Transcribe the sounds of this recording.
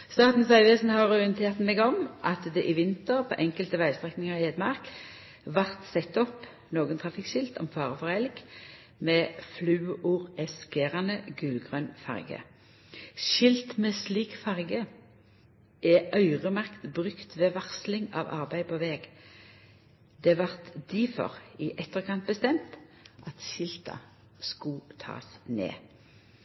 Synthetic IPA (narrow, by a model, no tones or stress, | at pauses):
st̪ɑːt̪n̩sɑɪʋesnhɑʁɔɪənt̪ʰeːʁt̪mɛɡɔmʔɑt̪d̪ɛʔɪʋɪnt̪əʁpʰo̰ːʔɛŋkəlt̪əʋæɪst̪ʁɛknɪŋɑʁheːd̪mɑʁk | ʋɑʁt̪sɛt̪ːɔp | noːɡənt̪ʰʁɑfɪkʃɪlt̪ɔ̰mfɑːʁəfɔʁæɪlɪɡ | mɛːflʉːuːʁɛskeːʁɑnəɡʉlɡʁœnfɑ̰ʁɡə̰ | ʃɪlt̪mɛsliːkfɑʁɡə | ʔɛʔœʏʁəmɑʁkt̪bʁʏkt̪ʋeːʋɑʁslɪŋɑ̰ːʋɑ̰ʁbæɪpʰoːʋɛːɡ | d̪ɛʋɑʁt̪d̪iːfɔ̰ʁɪʔɛt̪ːəʁkʰɑnt̪̚bəst̪ɛmt̪ʔɑt̪ʃɪlt̪ɑ̰ | skʊt̪ʰɑ̰ːsnḛː